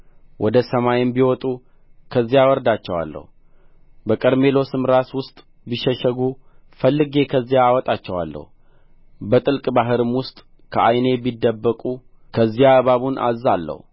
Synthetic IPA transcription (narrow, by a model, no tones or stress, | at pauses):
wʔɔd̪əsəmajɪmbiwɔt̪ʼu | kʰəzːijawɔɾd̪at͡ʃːɛwa̰lːə̰hu | bəkʼəɾme̞lo̞sɨmɾaswʊst̪ʼ | biʃːɛʃəɡufəlːɨɡe̞kʰəzːijaːwɔt̪ʼat͡ʃːɛwa̰lːə̰hu | bət̪ʼɨlkʼbaɦɨɾɨmwʊst̪ʼ | kʰəʔajne̞bid̪ːəbːəkʼu | kʰəzːijaβaβunʔa̰zːalːə̰hu